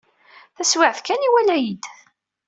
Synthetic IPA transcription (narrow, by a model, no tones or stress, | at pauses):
θæswɪʕθkæniwælæjid̪